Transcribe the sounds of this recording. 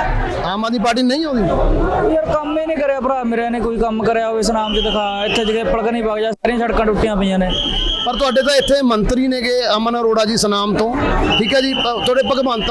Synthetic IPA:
aːmaːd̪miːpaːɾʈ̬iːnəĩːɦõːd̪iːoiəɾkəmeːnĩːkəɾeːaːpəɾaːmeɾeːnẽːkoːiːkəmkəɾeːaːoesənaːmd̪iːd̪ɪkʰaːɪt̪ʰːeːd͡ʒəɡeːpəlkənĩːpaːkd͡ʒaːsaːɾɪjãːʃʰəɽkãːʈʊʈːɪjãːpəiːjãːneː | pəɾt̪ʊaːɖeːt̪ãːɪt̪ʰːeːmənt̪ɾiːnẽːkeːaːmːnãːɾoːɽaːd͡ʒiːsənaːmt̪õː | ʈʰiːkɦɛːd͡ʒiː | t̪ʰoːɽeːpəkbaːnt̪

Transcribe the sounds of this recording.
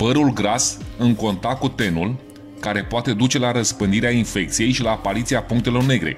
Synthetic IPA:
pəɾulɡɾasɨŋko̞nt̪akut̪e̞nul | kaɾe̞poat̪e̞d̪ut͡ʃe̞laɾəspɨnd̪iɾeainfe̞k̚t̪sije̞jʃilaːpaɾit̪siapuŋk̚t̪e̞lo̞rne̞ɡɾe̞̰

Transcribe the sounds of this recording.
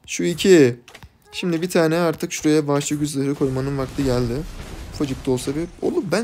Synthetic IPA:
ʃuicʰi | ʃimd̪ibit̪ʰaːnɛaɾt̪ʰɯkʃuɾejabaʃlˠɯɟyzlʲˠeɾɯkʰo̞jmanɯnvakt̪ʰɯɟælʲd̪ɪfad͡ʒɯk̚t̪o̞lˠsabio̰lˠupbæ

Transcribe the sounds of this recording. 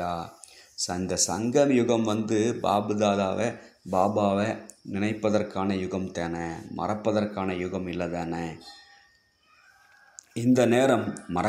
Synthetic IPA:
aːsɪnd̪ɐsɐŋɡɐmjʊɣɐmʋɐnd̪ɯba̰ːbɯðaːðaːʋebaːbaːʋenɪnɐɪpːɐðɐrkaːnɐjʊɣɐmt̪eːnɐmɐ̰rɐpːɐðɐrkaːnɐjʊɣɐmɪlːɐt̪eːnɐ | ɪnd̪ɐneːɾɐmːɐɾɐ

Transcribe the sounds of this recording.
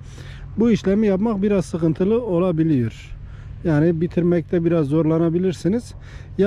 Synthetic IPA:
buiʃlʲemijapmakbiɾazsɯkɯnt̪ʰɯlˠɯo̞lˠabilʲijoɾ | jaːnibit̪ʰiɾmɛc̚t̪ʰɛbiɾazːo̞ɾlˠanabilʲiɾsiniz̥ | ja

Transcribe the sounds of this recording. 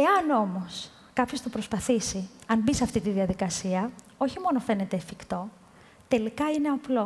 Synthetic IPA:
e̞ɐno̞mo̞s | kɐpço̞st̪opɾo̞spɐθisiɐnbiseɐft̪it̪iðiɐðikɐsiɐ | o̞çimo̞no̞fe̞ne̞t̪eːfikt̪o̞ | t̪e̞likɐine̞ɐplo̞

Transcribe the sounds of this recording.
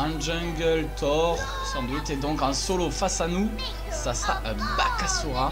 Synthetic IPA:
ɛ̃ʒɛ̃ɡəlt̪ʰɔʁ | sɑ̃d̪ɥit̪ɛd̪ɔ̃kɛ̃sɔlofasanu | sasaʔ | bakasuʁa

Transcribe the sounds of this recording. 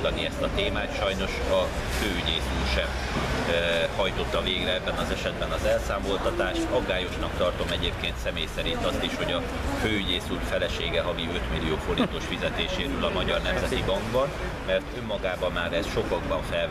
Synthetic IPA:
d̪ɒniɛst̪ɒt̪eːmaːt̪ʃɒjno̞ʃɒføːyɟeːsuːrʃɛm | hɒjt̪o̞t̪ːɒveːɡrɛɛbːɛnɒzɛʃɛd̪bɛnɒzɛlsaːmo̞lt̪ɒt̪aːʃt̪ɒɡːaːjo̞ʃnɒkt̪ɒrt̪o̞mɛɟeːp̚keːnt̪sɛmeːjsɛɾint̪ɒst̪iʃho̞ɟɒ | føːyɟeːsuːrfɛlɛʃeːɡɛɦɒviø̞t̪milːijoːfo̞ɾint̪o̞ʃfizɛt̪eːʃeːɾøːlɒmɒɟɒrnɛmzɛt̪ibɒŋɡbɒn | mɛrt̪ømːɒɡaːbɒmːaːɾɛsʃo̞kɒɡbɒɱfɛl

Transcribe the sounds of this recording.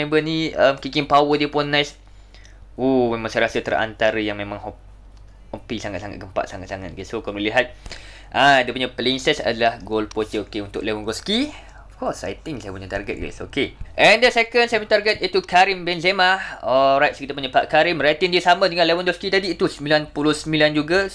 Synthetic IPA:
embəniəmkikɪnpawədiəpʊnːajs | umemaŋsajɾasət̪əra̰nt̪aɾəjaŋmemãŋɦɔp̚ | əmpisaŋa̰t̪saŋa̰t̪̚ɡəmpa̰ʔsaŋa̰t̪saŋa̰t̪̚ɡisokoməliɦat̪̚ | ʔaidəpuɲapəliŋsɛsa̰dəlahɡolpot͡ʃəokeunt̪ʊ̰ʔlewɔnɡɔlski | ɔfkɔsa̰jt̪ɪŋsajəpuɲət̪arɡə̰t̪̚ɡɛ̰so̰keʔɛndəsekənsajpuɲət̪arɡət̪̚it̪ukaɾimbɛnzemaɔɾajt̪̚skit̪əpuɲapaʔkaɾɪmrajt̪indiəsamə̃dəŋãnlewanɡɔlskit̪adiːt̪usəmbilanpulʊhsəmiland͡ʒuɡa

